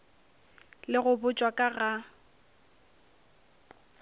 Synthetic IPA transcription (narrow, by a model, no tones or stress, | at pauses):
lɪɣʊbʊt͡ʃʼwakʼaɣa